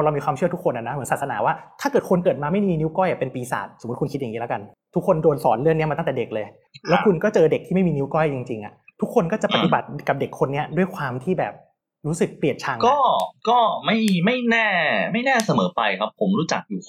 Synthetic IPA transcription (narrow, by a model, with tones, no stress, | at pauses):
ɾa˧miː˧kʰwaː˧t͡ɕʰɯ˥˩ɐt̪ʰu˥kʰːo˧nʔa˨˩na˦˥mɯ˩˦nsaː˨˩sa˧naː˩˦waː˥˩t̪ʰaː˥˩kɤː˨˩t̪̚kʰo˧nkɤː˨˩t̪̚maː˧ma˥˩jmiː˧ni˦˥wkɔ˥˩jʔa˨˩pe˧npiː˧sa̰ː˨˩t̪̚so˨˩˦t̚kʰnkʰt̪̚a˨ŋi˦˥la˦˥ka˧n | t̪ʰu˦˥kʰːo˧ndoː˧nsɔ̰ː˩˦nlɯ˥˩əŋi˦˥ɐma˧a˥˩t̪ɛː˨˩de˨˩k̚lɤː˧j | lɛ˦˥kʰu˧nkɔː˥˩t͡ɕɤː˧de˨˩k̪̚ʰiː˥˩ma˥˩jmiː˧ni˦˥kɔ˥˩jt͡ɕi˧ŋt͡ɕi˧ŋʔa̰˨˩t̪ʰu˦˥kʰo˧nkɔː˥˩t͡ɕa˨˩pa˧t̪i˨ba˨˩t̪̚ka˨˩de˨˩kʰːo˧nːi˦˥ɐdu˥˩əjkʰwaː˧mt̪ʰiː˥˩bɛː˨˩p̚ | ɾuː˦˥sɯ˨˩k̚pli˨˩ət̪̚t͡ɕʰa˧ŋkɔː˥˩kɔː˥˩ma˥˩jma˥˩jnɛː˥˩ma˥˩jnɛː˥˩sa˧mɤː˩˦pa˧jkʰa˦˥pʰːo˩˦mɾuː˦˥t͡ɕa̰˨˩k̚juː˨˩